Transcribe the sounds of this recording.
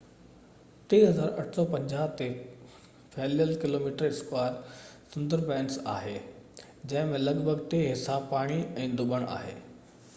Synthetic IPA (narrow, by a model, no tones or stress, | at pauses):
ʈeːɦɐzaːɾɐʈʰsɔːpɐ̃ɲd͡ʑaːɦt̪e | fʰɛːlijəlkɪloːmiːʈəɾɪskwaːɾsʊ̃nd̪əɾpɛ̃ːnsa̰ːɦeː | d͡ʑɐ̃ɦɪ̃mẽlɐɡbʱəɡt̪eːɦɪsaːbpaːɽ̃iɛ̃ːd̪ʊɓəɽ̃a̰ːɦḛː